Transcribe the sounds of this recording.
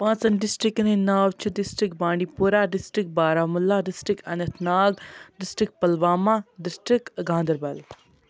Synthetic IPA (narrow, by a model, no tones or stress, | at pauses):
pãːt͡sɐnɖɪsʈɾiknenaːwt͡ʃʰiɖɪsʈɾikbaːɳɖipuɾaːɖɪsʈikbaːɾaːmulːaːɖɪsʈikɐnɐt̪ʰnaːɡɖɪsʈɾik̚pɐlʋaːmaːɖɪsʈɾikɡãːnd̪ɐɾbɐl